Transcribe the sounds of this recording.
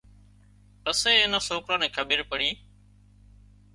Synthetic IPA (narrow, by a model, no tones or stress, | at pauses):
pəseːɪnãːsoːkɾãːnẽːkʰəbʱiːɾpəɽĩː